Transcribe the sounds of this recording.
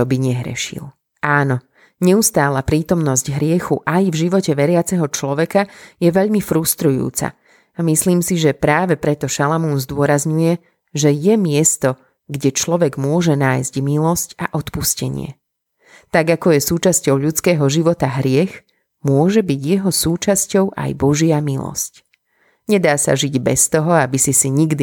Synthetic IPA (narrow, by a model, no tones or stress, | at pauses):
ɔbiɲɛɦɾɛ̰ʃḭl | ʔaːnɔ | ɲɛust̪aːlapɾiːt̪ɔmnɔzɟɦɾɪɛxuʔajvʒiʋɔcɛʋɛɾɪat͡sɛɦɔt͡ʃlɔʋɛkajɛʋɛʎmifɾust̪ɾujṵːt͡sa̰ | amisliːmsiʒɛpɾaːʋɛpɾɛt̪ɔʃalamunzd̪ʊɔɾazɲujɛ | ʒɛjɛmɪɛst̪ɔ | ɡɟɛt͡ʃlɔʋɛɡmʊɔʒɛnaːjzɟmilɔsca̰ʔɔt̪puscɛɲɪ̰ɛ̰ | t̪aɡakɔjɛsuːt͡ʃascɔʊʎut͡skɛːɦɔʒiʋɔt̪aɦɾɪɛx | mʊɔʒɛbiɟjɛɦɔsuːt͡ʃascɔʊʔa̰jbɔʒɪamilɔ̰sc | ɲɛd̪aːsa̰ʒiɟbɛst̪ɔɦɔabisisiɲiɡd̪i